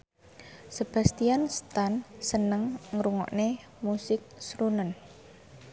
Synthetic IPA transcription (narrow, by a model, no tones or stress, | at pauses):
səb̥a̤st̪ijanst̪ansənəŋŋɾuŋɔ̰ʔne | musɪk̚sɾunən